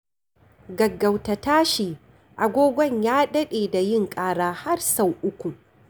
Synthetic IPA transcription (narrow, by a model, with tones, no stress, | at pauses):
ɡɐ˨ɡːɐ˨wtɐ˨taː˦ʃiː˨ | ʔa˨ɡʷoː˦ɡʷɔ˦˨ɲjaː˦ɗɐ˦ɗeː˨da˨jɪ˦˨ŋkʼaː˦ɽaː˨ha˦rsa˨wʔʊ˦kʷu˨